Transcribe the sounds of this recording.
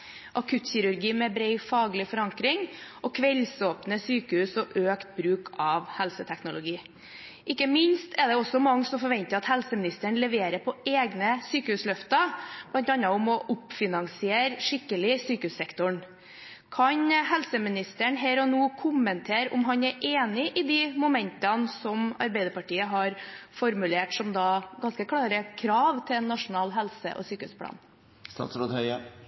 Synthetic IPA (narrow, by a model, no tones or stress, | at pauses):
ʔɑkʰʉt̪çɪɾʉɾɡiːmɛbɾɛɪfɑːɡlɪfɔɾɑŋkɾɪŋ | ɔkʰʋɛlsoːpnəsyːkəhʉːsɔʔøːkt̪̚bɾʉːkʰɑʋhɛlsət̪ʰɛknʊlʊɡiː | ʔɪkːəmɪnst̪ʰɛɖ̪ɛɔsːɔmɑŋːsɔmfɔɾʋɛnt̪əɾɑt̪hɛlsəmɪnɪst̪əɳlɛʋeːɾəpʰɔeːɡnəsyːkəhʉːslœft̪ɑb̥lɑnt̪ɑnɑʊmɔʔʊpfɪnɑŋsɪeːɾʂɪkːəlɪsyːkəhʉːsɛkt̪ʊɳ | kʰɑɲɦɛlsəmɪnɪst̪əɳɦæːɾɔnuːkʰʊmənt̪ʰeːɾʊ̰mɦɑɲæɾʔeːnɪʔɪd̪ɪmʊmɛnt̪ɑnsɔmɑ̰ɾbæɪd̪əɾpɑʈiːəɦɑɾfɔɾmʉleːʈsɔmd̪ɑːɡɑnskəkʰɽɑːɾəkʰɾɑːʋt̪ʰɪɛnːɑʂʊnɑːlɦɛlsə̰ʔɔ̰syːkəʉ̰spʰlɑ̰ːn | st̪ɑ̰ːt̪sɾot̪hœʏə